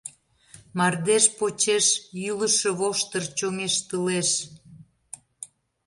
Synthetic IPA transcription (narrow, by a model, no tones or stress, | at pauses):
mɑrd̪eʃpot͡ɕeʃjyləʃə̆βoʃt̪ə̆rt͡ɕoŋeʃt̪əleʃ